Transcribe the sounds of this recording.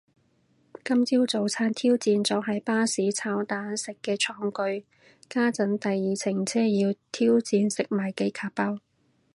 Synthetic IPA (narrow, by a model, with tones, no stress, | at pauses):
kɐ˥mt͡siː˥wt͡so˨˧wt͡sʰaː˥nt̪ʰiː˥wt͡siː˧nt͡sɔː˨˥ɦɐ˨˥jpaː˥siː˨˥t͡sʰaː˨˥wt̪aː˨˥nsɪ˨kːɛː˧t͡sʰɔː˨˥ŋkɵ˧ɥ | kaː˥t͡sɐ˨˥nt̪ɐ˨jːiː˨˩t͡sʰɪ˨˩ŋt͡sʰɛː˥jiː˧wt̪ʰiː˥wt͡siː˧nsɪ˨k̚maː˨˩jke˧jkʰaː˧˩pːɐ˥w